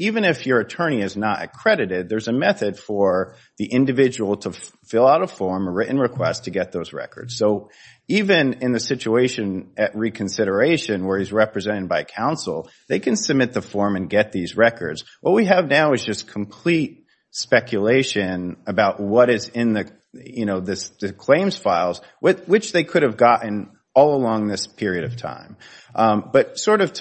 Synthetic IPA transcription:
ivɨ̃nɨfjə˞ɨtʰɜ̃˞ɾ̃iɨznəɾɨ̰kʰɹ̥ɛɾɨɾɪd̪̚ðə˞zɨmɛθɨd̥fə˞ | ðiʔɪ̃ndɨvɪd͡ʒɨwl̩ˠtʰəfɪlˠaʊɾʌv̥fɔɹməɹɪʔn̩ɹɨkʰw̥ɛstʰɨɡɛt̪̚ðoʊzɹɛ̰kə̰˞d̥z̥soʊ | ivɨ̃nɪ̃nðɨsɪt͡ʃueɪʃɨ̃nɨʔ̚ɹikʰɨ̃n̩sɪɾə˞eɪʃɨ̃nwə˞izɹɛpɹɨzɛ̃ɾ̃ɨd̚baɪkʰãʊ̃nsl̩ˠ | ðeɪkʰɨ̃nsɨb̚mɪt̪̚ðəfɔɹmɨ̃nɡɛt̪̚ðizɹɛkə̰˞dz̥ | wʌt̚wiɨvnaʊɨzd͡ʒʌskʰm̩pʰl̥it̚ | spɛkʰjɨleɪʃɨ̃nɨbaʊʔ̚wʌɾɪzɪ̃nðɨ | jɨñoʊðɪsðɨkʰl̥ẽɪ̃mz̥faɪlˠz | wɨwɨt͡ʃðeɪkʰʊɾɨvɡɑʔn̩ | ɔlˠəlɔ̃ŋðɪspʰɪɹiɨɾʌv̥tʰã̰ɪ̃m | b̥ʌt̚sɔɹɾʌv̥ʰ

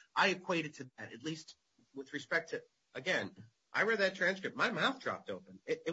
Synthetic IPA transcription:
ʔaɪɨkʰw̥eɪɾɨd̚tʰɨðɨɾɨ̰tˡlist̚ | wɪðɹɨspɛk̚tʰɨ | əɡɛ̃n | ʔa̰ɪɹɛd̪̚ðɨtʰɹ̥æ̃nskɹɨp̚t̚maɪmaʊθdɹɑ̰p̚toʊpɨ̃nɪɾɪ

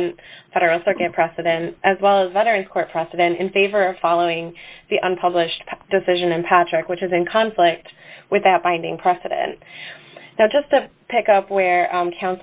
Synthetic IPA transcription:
nfɛɾə˞l̩ˠsɜ˞kɨt̚pʰɹ̥ɛsɨɾɨ̃ntʔɨzwɛlˠəzvɛɾə˞ɨ̃nz̥kʰɔɹt̚pʰɹ̥ɛsɨɾɨ̃ntɨ̰̃nfeɪvə˞ʌv̥fɑlˠoʊɪ̃ŋðiʔə̃npʰʌblɪʃd̥ɨsɪʒɨ̃nɨ̃npʰæt͡ʃɹ̥ɨkwɨt͡ʃɨzɨ̃nkʰɑ̃ɱflɪk̚t̚wɨðɨt̚b̥ãɪ̃ndɪ̃ŋpʰɹ̥ɛsɨɾɨ̰̃n | naʊd͡ʒʌstʰɨpʰɪkʌpwə˞kʰãʊ̃ns

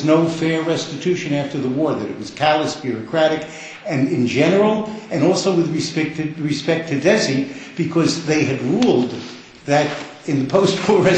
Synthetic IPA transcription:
znoʊfɛɹːɛstɨtʰʉʃɨ̃næftə˞ðəwɔɹðɨɾɨ̰t̚wʌz̥kʰælˠəsb̥jʊɹɨkʰɹ̥æɾɨk | ɨ̃nɪ̃nd͡ʒɛnə˞l̩ˠɨ̃nɔlˠsoʊwɨðɹɨspɛk̚tɨdɹɨspɛk̚tʰɨdɛzib̥ɨkʰʌzðeɪɨd̚ɹulˠd̪ | ðɨɾ | ɨ̃nðɨpʰoʊst̚wɔɹɹɛ

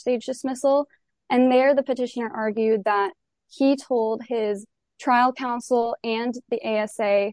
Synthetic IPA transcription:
steɪd͡ʒdɨsmɪsl̩ˠ | ʔɨ̃nðə˞ðɨpɨtɪʃɨnə˞ʔɑɹɡjʉd̪̚ðət̚ | hitʰoʊlˠd̚ɪz̥ | tʰɹ̥aɪlˠkʰãʊ̃nsl̩ˠɨ̃nðiʔeɪɛseɪ

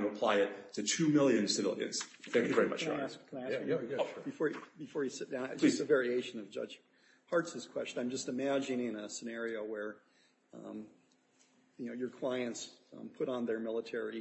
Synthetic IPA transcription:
məpʰl̥aɪɨt̚tʰɨtʰʉmɪlˠjɨ̃nsɨvɪ̰lˠjɨ̰̃nz̥θæ̃ŋkjɨvɛɹimʌ̰t͡ʃæsʰæsb̥ɨfɔɹjɨbɨfɔɹjɨsɪt̚d̥ãʊ̃d͡ʒʌsɨvɛɹieɪʃɨ̃nʌvd͡ʒʌ̰d͡ʒ̥ | hɑɹtsɨz̥kʰw̥ɛ̰st͡ʃɨ̃nãɪ̃md͡ʒʌstɨmæd͡ʒɨ̃nɪ̃nɨsɨnɛɹioʊwə̃˞ | m | jɨnoʊjə˞kʰl̥aɪɨ̃ntspʰʊɾn̩ðə˞mɪlˠətʰɛɹi

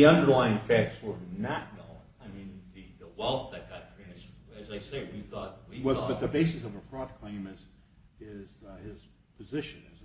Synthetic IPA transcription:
iʌ̃ndə˞laɪɪ̃ŋfæk̚tswə˞nət̚ⁿnõʊ̃ | aɪmĩnðɨðəwɛlˠθðɨt̚ɡ̥ɑtʰɹ̥ɛ̃nɨsɨzaɪseɪwiθɔt̚wiwɛbʌt̪̚ðɨbeɪsɨsʌvɨfɹɔd̚kʰl̥ẽɪ̃mɨs | ɪz̥ɪz̥ | pʰɨzɪʃɨ̃nɨz

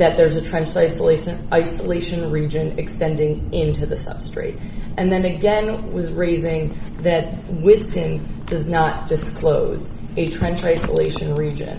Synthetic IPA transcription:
ðɨt̪̚ðə˞zɨtʰɹ̥ɛ̃nt͡ʃaɪsəleɪʃɨ̃nʔaɪsəleɪʃɨ̃nɹid͡ʒɨ̃nɨkstɛ̃ndɪ̃ŋɪ̃ntʉðɨsʌ̰b̥stɹ̥ḛɪɾʔɨ̃nðɨ̃nɨɡɛ̃nwʌzɹeɪzɪ̃ŋðɨt̚wɪsɨ̃nd̥ʌznət̚d̥ɨskʰloʊz | ɨtʰɹ̥ɛ̃nt͡ʃaɪsə̰lḛɪʃɨ̃nɹid͡ʒɨ̰̃n

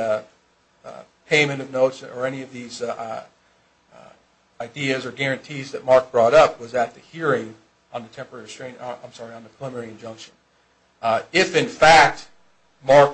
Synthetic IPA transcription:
pʰẽɪ̃mɨ̃ɾ̃ʌvnoʊtsə˞ɛniʌvðiz | aɪdiɨzə˞ɡɛɹɨ̃ntʰizðɨt̚mɑɹk̚b̥ɹɔɾʌp̚wʌzɨt̪̚ðɨhiɹɪ̃ŋ | ə̃nðɨtʰɛ̃mpə˞ɛɹistɹ̥ẽɪ̃nã̰ɪ̃msɑɹiə̃nðɨpʰəlˠəmɛɹiɨ̃nd͡ʒʌ̃ŋkʃɨ̃n | ɪfɨ̃nfæk̚t̚ | mɑɹk

